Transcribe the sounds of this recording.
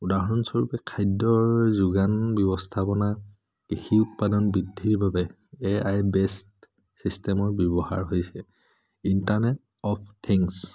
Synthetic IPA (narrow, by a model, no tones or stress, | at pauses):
udaɦɔɹɔnsɔɹupɛkʰajdːɔɹzuɡanbjɔbɔstʰapɔna | kixiut̚padɔnbidʱːiɹbabɛ | eajbɛst | sistɛmɔɹbjɔbɔha̰ɹɦojsɛ | intaɹnɛt | ɔp̚ʰtʰiŋs